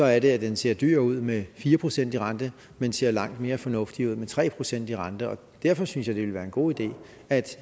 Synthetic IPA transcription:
sɒ̽æɐɾe̝æd̥ense̝ɐ̰d̥y̰ːɐ̰uð̞̰ˠmefiːɐpʰʁo̝sen̰d̥iʁɑ̈nd̥ə | mense̝̰ɐ̰lɑ̈ŋ̰d̥me̝ːɐfɒ̽nɔ̽fd̥iuð̞̰ˠmet͡sʰʁɛ̰ːpʰʁo̝sen̰d̥iʁɑ̈nd̥əɒ̽ | d̥æɐfɒ̽synsjɑ̈ɪd̥eʋelʋæːɐe̝nɡ̥o̝̰ːid̥e̝̰ː | æd̥

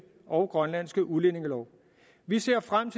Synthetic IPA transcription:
ʔɒ̽ʊɡ̥ʁɶnlæn̰sɡ̥əʔule̝ne̝ŋəlɒʊ | ʋise̝ɐ̰fʁam̰t͡sʰe

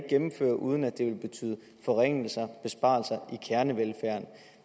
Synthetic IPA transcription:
ɡ̥emm̩fø̰ːɐʔuð̞ˠn̩æd̥e̝ʋe̝lb̥e̝t͡sʰy̰ːð̞ˠə | fɒʁeŋ̰l̩sɐb̥e̝sb̥ɑ̈ːlsɐikʰæɐnəʋelfæɐ̰n

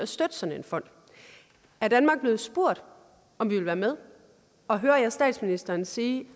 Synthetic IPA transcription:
æsd̥ød̥əsɒ̽nenfɒ̽n̰d̥ | æɐd̥ænmɑ̈ɡ̥̚b̥le̝ð̞̩ˠsb̥o̝ɐ̰d̥ | ɒ̽mʋiʋelʋæːɐmeð̞ˠ | ɒ̽ɦøːɐjæsd̥ɛ̰ːd̥sminisd̥ɐːnsiː

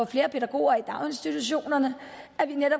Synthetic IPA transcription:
ɒfle̝ːɐpʰe̝ɾ̥æɡ̥o̝̰ːɐid̥ɑ̈ʊe̝nsd̥it͡sʰuɕo̝̰ːnɐnə | æʋineɾ̥ɒ̽b

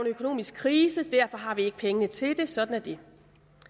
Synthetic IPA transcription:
nøkʰo̝no̝̰ːmisɡ̥̚kʰʁiːsəd̥æɐfɒ̽ɦɑ̈ʋie̝ɡ̥ə̥pʰeŋənət͡sʰe̝d̥e̝sɒ̽d̥n̩æɐd̥e̝

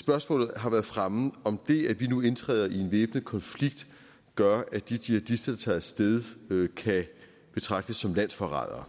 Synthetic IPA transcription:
sb̥ɶɐsmɔ̰ːlð̩ˠɦɑ̈ʋæːɐðˠfʁamð̩ˠɒ̽md̥e̝æʋinue̝nt͡sʰʁɛ̰ːðˠɐie̝nʋeːb̥nəkʰɒ̽nfliɡ̥̚d̥ | ɡ̥ɶɐæd̥id̥iæd̥isd̥ɐd̥ɑ̈t͡sʰɛːsd̥eðˠkʰæ | b̥e̝t͡sʰʁɑ̈ɡ̥̚d̥əsːɒ̽mlæn̰sfɒʁɑ̰̈ðˠɐ̰

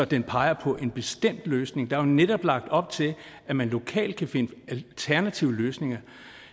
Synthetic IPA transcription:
ɒ̽d̥enpʰɑ̈ɪɐpʰɒ̽ʔe̝nb̥e̝sd̥em̰d̥løːsne̝ŋd̥ɑ̈æjneɾ̥ɒ̽b̥lɑ̈ɡ̥̚d̥ɒ̽b̥̚t͡sʰe̝læmænlo̝kʰɛ̰ːld̥̚kʰæfe̝nəæt͡sʰæɐnæt͡sʰiʊəløːsne̝ŋɐ

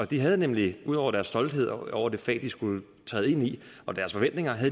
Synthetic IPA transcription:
ɒ̽d̥iɦæð̞ˠnemliuð̞̰ˠɒ̰ʊɐɾ̥æɐsːd̥ɒ̽ld̥he̝ð̞̰ˠɒʊɐd̥e̝fɛ̰ːd̥isɡ̥ul | t͡sʰɛ̰ːð̞̩ˠe̝ni | ɒ̽d̥æɐsfɒ̽ʋen̰d̥ne̝ŋɐɦæðˠ

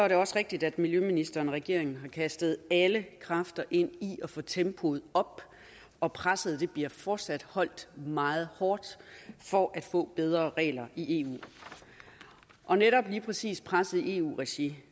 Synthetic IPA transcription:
sɒ̽æɐɾe̝ɒ̽sʁeɡ̥̚d̥id̥æd̥miljøminisd̥ɐːnɒʁɛɡ̥e̝̰ɐ̰e̝ŋn̩ɦɑ̈kʰæsd̥əð̞̩ˠæləkʰʁɑ̈fd̥ɐʔe̝n̰iʔɒfɔ̽t͡sʰempʰo̝ð̩ˠɒ̽b̥ | ɒ̽pʰʁasəð̩ˠd̥e̝b̥liɐ̰fɒːd̥sæd̥hɒ̽l̰d̥mɑ̈ːð̞̩ˠhɒːd̥fɒʔæd̥fɔ̰̽ːb̥eð̞ˠʁɐʁɛ̰ːlɐiʔe̝ːṵː | ʔɒ̽neɾɒ̽b̥liːpʰʁɛsḭːspʰʁasð̩ˠie̝̰ṵːʁɛɕi

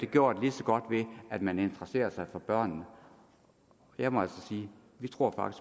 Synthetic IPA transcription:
d̥e̝ɡ̥jo̝ːɐ̰d̥lisɒɡ̥ɒ̽d̥ʋe̝ʔæd̥mæne̝nd̥ʁəse̝̰ːɐsɑ̈ɪfɒ̽b̥ɶɐ̰nnə | jɑ̈ɪmɒælsɒsiː | ʋit͡sʰʁo̝ɐ̰fɑ̈ɡ̥is

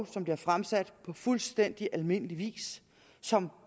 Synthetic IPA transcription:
sɒ̽mb̥liɐfʁamsæd̥pʰɒ̽fulsd̥en̰d̥iʔælme̝n̰əliʋḭːs | sɒ̽m

